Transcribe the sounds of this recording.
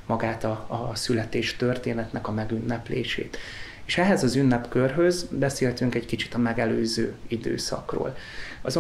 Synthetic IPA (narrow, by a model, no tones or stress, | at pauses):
mɒɡaːt̪ɒːsylɛt̪eːʃt̪ørt̪eːnɛt̪nɛkɒmɛɡynːɛplḛːʃḛːt̪eːʃɛɦɛzɒzynːɛpkørɦø̞zbɛseːlt̪yŋkɛɟkit͡ʃi̥t̪ɒmɛɡɛløːzø̰ːid̪ø̰ːsɒ̰kro̰ːl | ɒzo